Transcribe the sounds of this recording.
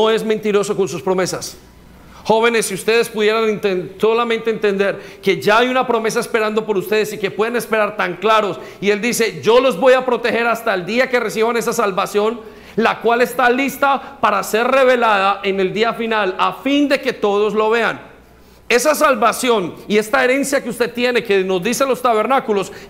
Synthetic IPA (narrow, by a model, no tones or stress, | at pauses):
noe̞zmẽ̞nt̪iɾo̞soko̞ns̬uspɾo̞me̞sas | xo̞β̞e̞ne̞sːiust̪e̞ð̞e̞spuðje̞ɾanent̪enso̞lamẽ̞nt̪eeːnt̪e̞nd̪e̞ɾke̞ʝaajunapɾo̞me̞s̬aespe̞ɾand̪o̞po̞ɾust̪e̞ð̞esike̞pwe̞ðene̞spe̞ɾaɾt̪aŋklaɾo̞s | ield̪ise̞d͡ʒo̞lo̞zbo̞japɾo̞t̪e̞xe̞ɾast̪aeld̪iakere̞s̬iβane̞s̬asalβasjo̞n | lakwale̞st̪alist̪apaɾase̞rre̞βe̞laðaʔe̞ne̞ld̪iafinalafind̪e̞ke̞t̪o̞ð̞o̞zlo̞βe̞an | e̞sasalβasjo̞nie̞st̪ae̞ɾe̞nsjakeust̪e̞t̪je̞neke̞no̞zd̪iselo̞st̪aβe̞ɾnakulo̞s